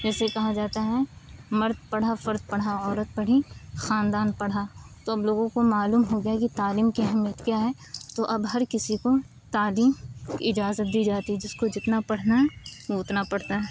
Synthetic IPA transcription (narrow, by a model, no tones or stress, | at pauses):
d͡ʒɛːsekɐɦad͡ʒaːt̪aɦɛmɐɾd̪̚pɐɽ̤afɐɾd̪̚pɐɽ̤aɔːɾət̪̚bɐɽ̤ixaːnd̪aːnpɐɽ̤at̪oɐbloːɡõkomaːluːmɦoɡɐjakit̪aːliːmkiɦɪmjət̪kjaːɦɛ | t̪oʔɐbɦɐɾkɪsiko | t̪aːliːmkɪd͡ʒaːzət̪̚d̪iːd͡ʒaːt̪iɛd͡ʒɪskod͡ʒɪt̪napɐɽ̤naɦɛoʊt̪napɐɽ̤t̪aɦɛː